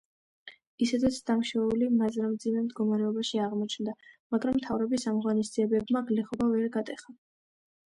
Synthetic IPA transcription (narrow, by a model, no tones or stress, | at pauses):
isɛd̪ɛt̪sʰd̪amʃɛulimazɾamd̪zimɛmd̪ɡɔmaɾɛɔbaʃiaʁmɔt͡ʃʰnd̪amaɡɾamːt̪ʰavɾɔbisamʁwanis̬d̪z̥iɛbɛbmaɡlɛχɔbavɛɾɡat̪ʼɛχa